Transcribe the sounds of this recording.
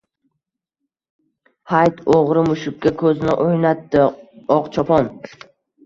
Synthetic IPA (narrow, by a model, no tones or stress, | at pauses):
hajt̪ʰoʁɾɪmʊʃʊkʲkʲːakʰɵzɪnɪʔojnat̪ːɪɒqt͡ʃʰɒpʰɒn